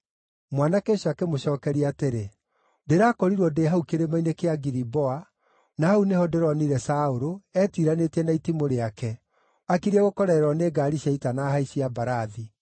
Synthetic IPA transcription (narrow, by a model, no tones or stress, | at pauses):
mwanakeʃakemoɕɔːkɛɾiateɾe | deɾaːkɔɾiɾwɔdeɦaukeɾemainekeaɡiɾibɔa | nahaunehɔdeɾɔniɾɛsaoɾoɛːtiɾanetɛnaitimoɾeakɛ | akiɾɛɣokɔɾɛɾɔneːɡaɾiɕaitanaɦaiɕiabaɾaði